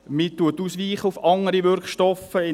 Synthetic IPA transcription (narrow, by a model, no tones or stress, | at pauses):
mitːuətːuːsʋiːχəʊfɑŋəɾiʋʏɾkʃtɔfəɪ